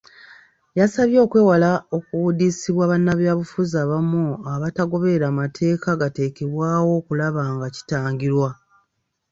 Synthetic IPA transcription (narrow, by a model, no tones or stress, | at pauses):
jasaβjo̞ːkwe̞ːwalao̞kuwudiːsiβwaβanːaβjaːβufuzaːβamuaβataɡo̞βe̞ɾamatʰe̞ːkaɡate̞ːke̞βwaːwo̞ːkulaβaːŋɡaci̥taːɲɟiɾwa